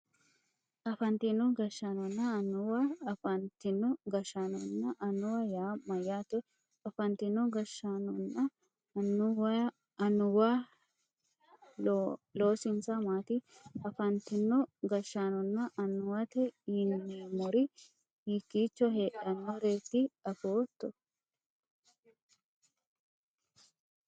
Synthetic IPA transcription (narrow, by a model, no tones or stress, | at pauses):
ʔɐfɐnt̪ɪnːɔɡɐʃːanɔnːɐɐnʊwaɐfɐnt̪ɪnːɔɡɐʃaːnɔnːɐʔɐnʊwajaːmɐjːaːt̪ɛ | ɐfɐnt̪ɪnːɔɡɐʃːaːnɔnːɐ | ɐnːʊwɐ | ɐnʊwa | lo̞ːsɪnsɐmaːt̪iɐfɐnt̪ɪnːɔɡɐʃːaːnɔnːɐʔɐnːʊwɐt̪ɛɪnːɛmɔɾɪ | hikːiːt͡ʃːɔɦe̞ːᶑɐnːɔɾe̞ːt̪ːɪɐfoːt̪ːɔ